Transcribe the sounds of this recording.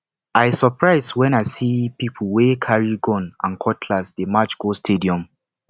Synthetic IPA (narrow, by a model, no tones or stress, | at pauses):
aɪsɔpɹaɪzwɛ̃naɪsipipʰəl̩wekʰaɹiɡɔ̃nãnkʰɔtʰlasdemat͡ʃɡ̥ostʰediɔ̃m